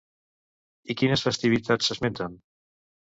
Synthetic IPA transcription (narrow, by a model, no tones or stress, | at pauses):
ikinəsfest̪iβit̪at͡sːəzment̪an